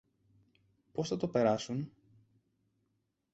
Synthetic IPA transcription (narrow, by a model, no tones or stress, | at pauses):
po̞sθɐt̪o̞pe̞ɾɐsun